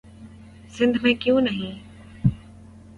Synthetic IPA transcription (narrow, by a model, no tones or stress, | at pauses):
sɪ̃nd̪ʱmẽːkɪjũnɐɦĩː